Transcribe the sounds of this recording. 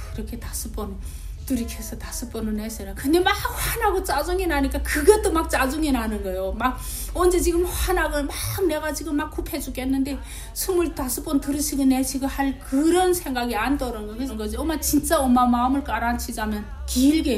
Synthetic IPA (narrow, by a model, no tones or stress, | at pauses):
iɾʌkʰe̞tas͈ʰɯp͈ʌn | tɯɾikʰesʰʌtas͈ʰɯp͈ʌnɯneɕʰinakɯndemak̚ɸwanaɡot͡ɕ͈ad͡ʑuŋinaɲik͈akɯɡʌt͈omak̚t͡ɕ͈ad͡ʑuŋinɦanɯnɡʌjomaɡ | ʌnd͡ʑet͡ɕiɡɯmhanaɡɯɭmak̚neɡat͡ɕiɡɯmːakk͈upʰed͡ʑukenːɯnde̞ | sʰɯmɯɭtas͈ʰɯp͈ʌntɯɾɯɕʰiɡɯneɕʰiɡɯɭhaɭkɯɾʌnsʰe̞ŋɡaɡiant͈ʌɾɯnɡʌkɯnɡʌd͡ʑiʌmat͡ɕint͡ɕ͈aʌmamaɯmɯɭk͈aɾant͡ɕʰid͡ʑamjʌn | kiːɭɡe